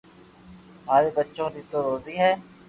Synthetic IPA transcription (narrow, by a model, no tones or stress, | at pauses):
ɦaːɾeːbətːʃõːd̪it̪oːɾoːziːɦɛː